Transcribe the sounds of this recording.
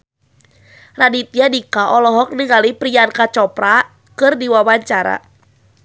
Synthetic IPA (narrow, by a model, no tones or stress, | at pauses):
radit̪iadikaʔɔlɔɦɔk̚niŋalipɾiankat͡ʃɔpɾa | kɨrdiwawaɲt͡ʃaɾa̰